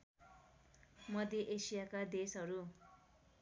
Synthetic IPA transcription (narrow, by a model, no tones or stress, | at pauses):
mʌd̪eʔesijakad̪esɦʌɾu